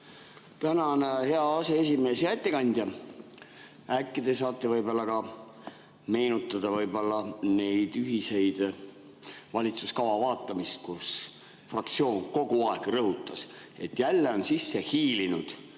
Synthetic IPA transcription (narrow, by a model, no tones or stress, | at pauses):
t̪ænɑnhe̞ɑɑse̞esʲime̞ːsjæt̪ʲːekɑnʲd̪̥jɑ | ækːˑid̪̥e̞sɑːt̪ːˑe̞vɤjbolːɑkɑ | me̞ːnut̪ːˑɑd̪̥ɑvɤjbo̞lːɑne̞jd̪̥yɦise̞jd̪̥ | vɑlʲit̪suskɑvɑvɑːt̪ːˑɑmist̪̚kus | frɑk̚t̪sio̞ːŋko̞ɡ̥uɑeɡ̥rɤɦut̪ːˑɑs | e̞t̪ːjælːeo̞nsisːe̞hiːlinud̪̥